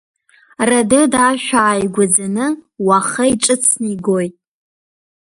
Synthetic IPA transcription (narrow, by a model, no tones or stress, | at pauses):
radɨdaʃᶣaːjɡʷad͡zanɨwaχəiʈ͡ʂʼɨt͡sʰniɡojtʼ